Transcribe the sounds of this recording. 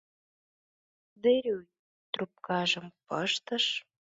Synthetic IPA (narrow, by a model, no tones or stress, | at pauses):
d̪eɾʲy | t̪rup̚kɑʒə̆mpəʃt̪əʃ